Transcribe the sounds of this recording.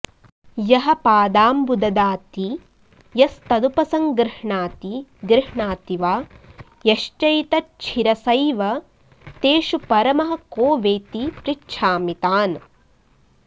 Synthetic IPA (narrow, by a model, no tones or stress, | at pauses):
jɐɦɐ̆paːd̪aːmbud̪ɐd̪aːt̪i | jɐst̪ɐd̪upɐsɐŋɡɾɪʃɳaːt̪iɡɾɪɦɳaːt̪iʋaː | jɐʃt͡ʃɐjt̪ɐt͡ʃʰiɾɐsɐjʋɐ | t̪eːʃupɐɾɐmɐɦɐ̆koːʋeːt̪ipɾitʃʰaːmit̪aːn